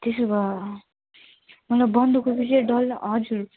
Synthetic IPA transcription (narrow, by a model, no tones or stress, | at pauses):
t̪esobʌ | mʌlajbʌnd̪ukobiseɖʌlɦʌd͡zuɾ